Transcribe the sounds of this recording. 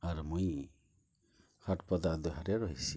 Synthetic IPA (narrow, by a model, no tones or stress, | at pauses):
aɾmuj | haʈpɔd̪ad̪ɔɦaɾɛɾɔɦisi